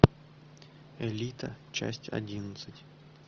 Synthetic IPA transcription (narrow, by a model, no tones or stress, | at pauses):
ɛlʲit̪ət͡ɕa̰sʲtʲɐ̰dʲinət̪sɨtʲ